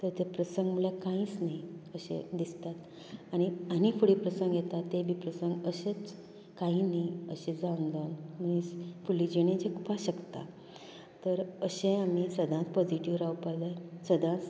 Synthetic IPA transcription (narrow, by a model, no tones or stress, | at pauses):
t̪əɾt̪epɾəsəŋɡməɭjakãĩt͡snaiəɕḛd̪ist̪at̪ | aɽ̃ianifuɽiːpɾəsəŋɡjet̪at̪ːebiːpɾəsəŋɡəɕet͡s | kãiniəɕed͡zaund̪anm̤ənisfulid͡ʑiɽ̃ẽd͡ʑekupaɕəkt̪a̰ | t̪əɾəɕẽamisəd̪ʱãt͡spɔd͡ziʈiʋɾaupəɾd̪ajsəd̪ʱãt͡s